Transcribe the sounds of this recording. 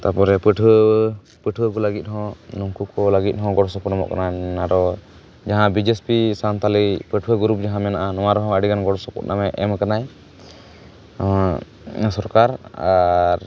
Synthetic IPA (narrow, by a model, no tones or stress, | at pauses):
t̪apɔɾɛpəʈʰə | pəʈʰwəkɔlaɡit̪̚ˀɦɔ̃nuŋkukɔlaɡit̪̚ˀɦɔ̃ɡɔɽsɔpɔnamɔ̰ʔka̰naaɾɔ | d͡ʒaɦãbid͡ʒespisant̪ʰalipəʈʰwəɡuɾup̚d͡ʒaɦãmɛnaʔanɔwaɾɔɦɔ̃əɽiɡanɡɔɽsɔpɔ̰tnamɛʔɛmkanaj | ama | sɔɾkaɾaɾ